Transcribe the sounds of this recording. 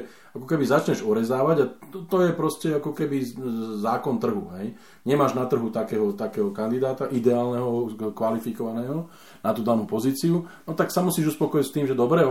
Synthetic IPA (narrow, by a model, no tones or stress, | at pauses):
akɔkɛbizat͡ʃɲɛʒɔɾɛzaːʋaɟaɔt̪ɔjɛpɾɔscɛakɔkɛbizaːkɔnt̪r̩ɦṵɦɛj | ɲɛmaːʒnat̪r̩ɦut̪akɛːɦɔt̪akɛːɦɔkand̪id̪aːt̪aʔid̪ɛaːlnɛɦɔkʋalifikɔʋanɛːɦɔ | nat̪uːd̪anuːpɔziːt͡siunɔt̪aksamusiːʒuspɔkɔjist̪iːmʒɛd̪ɔbɾɛ